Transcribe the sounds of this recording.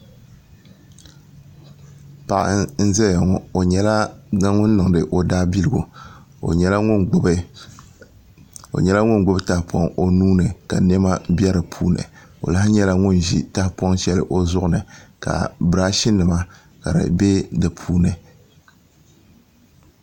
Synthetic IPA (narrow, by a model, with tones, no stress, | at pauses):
pa˨ʔa̰˨n̩˦zɛ˦˨ja˨ŋɔ˨o˨ɲɛ˦la˦a˦ŋʊ˦n˦nɨ˨ŋdɨ˨ʔo˨daː˦bi˦lɨ˦ɡṵ˨ | ɲɛ˦la˦ŋʊ˦n˦b | o̰˨ɲɛ˦la˦ŋʊ˦nɡʊ˦bta˨˦˨pɔ˦ŋo˨nuː˦nɨ˨ka˨nɛ˦ma˦bjɛ˦ɾɨ˨pʰuː˦nɨ̰˨ | o̰˨la˦hɲɛ˦la˦ŋʊ˦nʒi˦ta˦hpɔ˦ŋʃɛ˦lɨ̰˨ʔo˨zʊ˦ʔʊ˨nɨ˨ka̰˨bɾa˦ʃi˦nːɨ˨ma˦ | ka˨ɾɨ̰˨be˦dɨ˨pʰuː˦nɨ˨